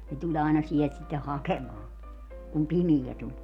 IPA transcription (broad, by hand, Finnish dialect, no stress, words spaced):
ne tulʲ ɑinɑ sielt sitːe hɑkemɑː kum pimijæ tulʲ